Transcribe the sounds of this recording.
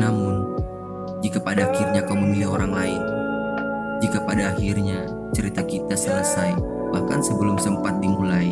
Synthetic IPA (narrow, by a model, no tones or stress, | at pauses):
namʊn | d͡ʒikapadaːxɪrɲakawməmbilioɾaŋlaɪk̚ | d͡ʒikapadaːxɪrɲa | t͡ʃəɾit̪akit̪asələsaj | bahka̰nsəbəlʊmsəmpat̪̚dimulai